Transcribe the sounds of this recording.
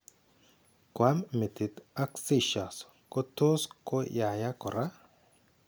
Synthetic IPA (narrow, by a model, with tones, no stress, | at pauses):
kwa˦mme˨t̪i˨t̪a˦ksi˦˨ʃa˨s | ko˦t̪o˦sko˦ja˨ja˦kɔ˨ɾa˦